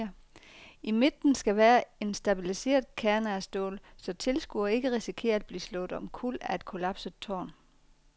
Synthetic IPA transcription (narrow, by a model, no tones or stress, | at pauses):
ɐ | ime̝d̥n̩sɡ̥æʋæːɐe̝nsd̥æb̥ilise̝̰ːɐðˠkʰæɐnæɐsd̥o̰ːlsɒ̽t͡sʰe̝lsɡ̥uɐe̝ɡ̥əʁisikʰe̝̰ːɐd̥̚b̥lḭːslɔ̽ːð̩ˠɒ̽mkʰul̰æe̝d̥̚kʰo̝læb̥sə̥t͡sʰɒ̰ːn